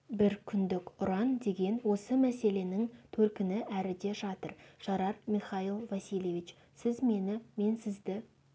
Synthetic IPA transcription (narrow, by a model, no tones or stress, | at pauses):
bɪɾkʲʰʏnd̪ɪkʲʊɾɑnd̪e̞ɡʲe̞nwo̞səmæse̞le̞nɪŋt̪ʰɵɾkʲɪnɪʔæɾɪd̪e̞ʒɑt̪ə̰ɾʒ̥ɑɾɑɾmʲiχɑilˠvɑsilʲˠjevʲit͡ʃ | sɪzme̞nɪme̞nsɪzd̪ɪ